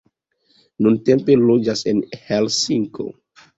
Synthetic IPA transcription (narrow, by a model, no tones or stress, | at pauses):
nunte̞mpe̞lod͡ʒasenhelsiŋko̰